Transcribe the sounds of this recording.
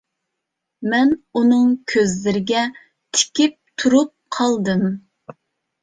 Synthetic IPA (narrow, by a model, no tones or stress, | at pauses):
mɛnunɨŋkʲʰøzlɪɾɪɡʲɛ | t̪ʰɪ̥kʲip̚t̪ʰuɾup̚qʰɑlˠd̪ɨm